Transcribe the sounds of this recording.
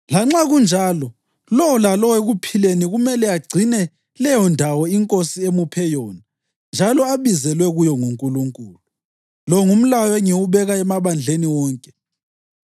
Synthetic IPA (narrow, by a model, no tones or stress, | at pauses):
laŋ͡ǁaɣund͡ʒʱaːlɔ | lɔwɔlalɔweɣupʰileniɣumɛlɛaɡ͡ǀʱinɛ | lɛjɔndʱawɔiŋkʼosiemupʰɛjɔna | nd͡ʒʱalɔaβizɛlwɛɣujɔŋuŋkʼuluŋkʼuːlu | lɔŋum̩lajɔɛŋiwuβɛɣaɛmaβand͡ɮʱeniwɔːŋkʼɛ̥